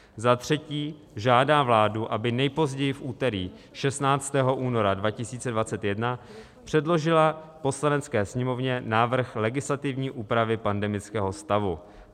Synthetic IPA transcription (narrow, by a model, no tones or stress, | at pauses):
zat̪r̝̥ɛciː | ʒaːdaːvlaːduʔabɪnɛjpo̞zɟɛjɪfʔuːt̪ɛɾiː | ʃɛst̪naːt͡st̪ɛːɦoʔuːno̞ɾadvacɪsiːt͡sɛdvat͡sɛt̪jɛdna | pr̥ɛdlo̞ʒɪlapo̞slanɛt͡skɛːsɲɛmo̞vɲɛnaːvr̩xlɛɡɪslat̪ɪvɲiːʔuːpɾavɪpandɛmɪt͡skɛːɦo̞st̪avu